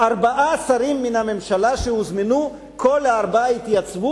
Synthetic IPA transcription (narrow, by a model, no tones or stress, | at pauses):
ʔaʁbaʔaːsaʁimːinhame̞mʃalaʃehuzminu | kʰo̞laːʁbaait̪jat͡svu